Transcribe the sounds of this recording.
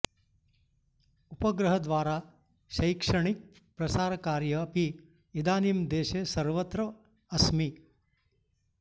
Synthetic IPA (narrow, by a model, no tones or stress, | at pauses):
upɐɡɾɐɦɐd̪ʋaːɾaː | ʃɐjkʂɐɳik̚ | pɾɐsaːɾɐkaːɾjɐːpi | id̪aːnimd̪eːʃesɐɾʋɐt̪ɾɐ | ɐsmi